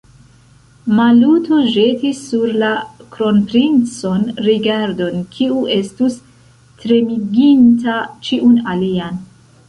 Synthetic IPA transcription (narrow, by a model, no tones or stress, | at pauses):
malutoʒe̞tisːuɾlakɾo̞npɾint͡sonɾiɡaɾdo̞nkʰiuʔe̞stus | tɾe̞miɡintat͡ʃiʔunalian